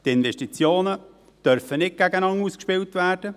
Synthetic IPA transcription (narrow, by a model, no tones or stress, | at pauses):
t̪ɪnvɛʃtit͡sjoːnə | d̥œɾfənɪt̚ɡ̥æɡənɑŋuskʃpɪltʋæːrd̥ə